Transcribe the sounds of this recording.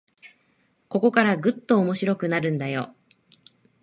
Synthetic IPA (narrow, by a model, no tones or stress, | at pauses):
ko̞ko̞kaɾaɡɯ̟t̪ːo̞ːmo̞ɕiɾo̞kɯ̟naɾɯ̟̃nd̪ajo̞̰